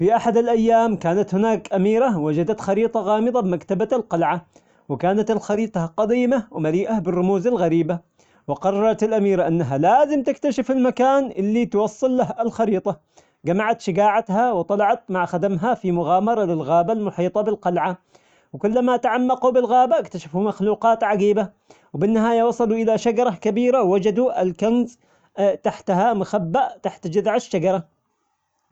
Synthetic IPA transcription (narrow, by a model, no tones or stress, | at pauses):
fiʔaħad̪ɪlʔajːaːmkaːnat̪hɪnaːkʔamiːɾawad͡ʒad̪at̪xɑɾiːt̪ˤɑɣɑːmɨd̪ˤɑbɪmakt̪abalqɑlʕa | wɪkaːnat̪ɪlxɑɾiːt̪ˤɑqɑd̪iːmawmaliːʔabɪrːʊmuːzalɣaɾiːba | wɪqɑrˤːɑɾˤɑt̪ɪlʔamiːɾʔanːaɦalaːzɪmt̪ɪkt̪aʃɪfɪlmakaːnʔɪlːit̪wɑsˤːɨlːahɪlxɑɾiːt̪ˤɑ | ɡamaʕat̪ʃɪɡaːʕat̪ɦawt̪ˤɑlɑʕɑt̪maʕxad̪amɦafimʊɣaːmɑɾˤɑlɪlɣaːbalmʊħiːt̪ˤɑbɪlqɑlʕa | wkʊlːamaʔt̪aʕamːɑqubɪlɣaːbaʔakt̪aʃafumaxluːqɑːt̪ʕaɡiːba | wbɪnːɪɦaːjawɑsˤɑluʔɪlaʃad͡ʒɑɾˤɑkabiːɾawːad͡ʒad̪uʔɪlkanz | t̪aħt̪ɦamʊxabːaʔt̪aħt̪d͡ʒaðʕaʃːaɡɑɾˤɑ